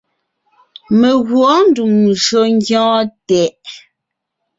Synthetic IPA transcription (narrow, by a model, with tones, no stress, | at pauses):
me˨ɣwɔ˨˦n̩˦du˨mʒo˨ŋ˦ɡjɔ̃ː˦tɛ˨ʔ